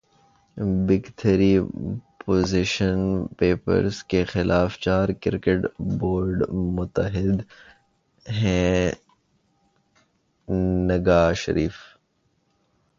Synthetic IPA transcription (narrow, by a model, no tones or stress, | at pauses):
bɪɡt̪ʰəɾipoːzɪʃənpeːpə̰ɾzkexɪlʔaːft͡ʃaːɾkɪɾkeʈboːɾɖmʊt̪əɦɪd̪ | ɦɛ̃ | nɐɡaːʃə̰ɾiːf